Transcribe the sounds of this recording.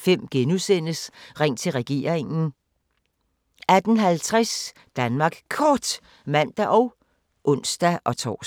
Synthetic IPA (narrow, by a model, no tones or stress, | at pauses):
fem̰ɡ̥enusen̰əsʁeŋ̰t͡sʰe̝lʁɛɡ̥e̝̰ːɐ̰eŋn̩ | æd̥n̩ɦælt͡sʰʁas | d̥ænmɑ̈ːɡ̥kʰɒːd̥ | mæn̰d̥æʔɒ̽ʊ | ʔɔ̽n̰sd̥æʔɒ̽t͡sʰɒ̰ː